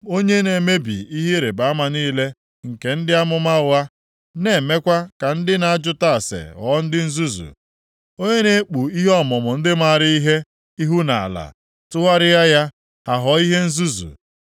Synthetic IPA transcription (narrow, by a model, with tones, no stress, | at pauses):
o˦ɲe˦ne˨me˦bḭ˨i˦ɦe˦ɾe˨ba˨˦ma˨niː˦le˦ | ŋ̩˨ke˨n̩˦dɪ˦a˦mʊ˦ma˦ʊ˨a˦ | ne˨me˦kʷa˦ka˨n̩˦dɪ˦na˨a˦d͡ʒʊ˦ta˦˨a˨sḛ˨ɔ̰˨˦n̩˦dɪ˦n̩˦zu˦zṵ˨ | o˦ɲe˦ne˦k͡pu˨i˦ɦɔ˦mʊ˨mʊ˨n̩˦dɪ˦ma˦˨a˨ɾɪ˦i˦ɦe˦ | i˦ɦu˦na˨a̰˨la̰˨ | tʊ˦ɦa˦ɾɪ˦ja˦ja˦ | ha˨ɦɔ˨˦i˦ɦe˦n̩˦zu˦zṵ˨